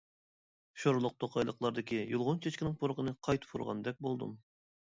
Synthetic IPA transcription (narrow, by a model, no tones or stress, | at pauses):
ʃoɾlˠʊq̚t̪ʰoqʰɑjlˠəqlˠɑɾd̪ɨkʲijulˠʁʊnt͡ʃʰet͡ʃkʲinɪŋpʰoɾqənɨqʰɑjt̪ʰɨ̥pʰuɾʁɑ̰nd̪ɛk̚ʲbolˠd̪ɨ̰m